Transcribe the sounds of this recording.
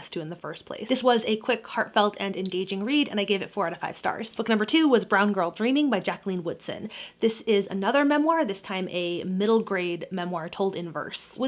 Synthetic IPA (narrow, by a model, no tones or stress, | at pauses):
stʰʉɨ̃nðɨfɜ̰˞spʰl̥ḛɪsðɪswʌzɨkʰw̥ɪkhɑɹtfɛlˠtʰɨ̃nɨ̃nɡeɪd͡ʒɪ̃ŋɹiɾɨ̰̃naɪɡeɪvɨtfɔɹɾɨfaɪv̥stɑ̰ɹz̥b̥ʊk̚nʌ̃mbə˞tʰʉwʌzbɹãʊ̃nɡɜ˞lˠdɹĩmɪ̃ŋbaɪd͡ʒæklˠĩnwʊd̥sɨ̰̃nðɪsɪzɨ̰nʌðə˞mɛ̃mwɑɹðɪstʰãɪ̃mʔɨmɪɾl̩ˠɡɹeɪdmɛ̃mwɑɹtʰoʊlˠdɨ̃nvɜ̰˞swʌ